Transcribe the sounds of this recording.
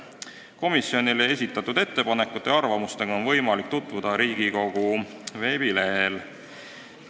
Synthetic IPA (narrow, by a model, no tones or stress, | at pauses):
ko̞misːjo̞nilee̞s̬ʲit̪ːˑɑt̪ːˑud̪̥e̞t̪ːe̞pɑne̞kːˑut̪ːˑe̞ɑrvɑmust̪e̞ɡ̥ɑo̞nvɤ̞jmɑlik̚t̪ut̪ːˑvud̪̥ɑɾiːɡ̥iko̞ɡ̥uve̞ːbile̞ɦel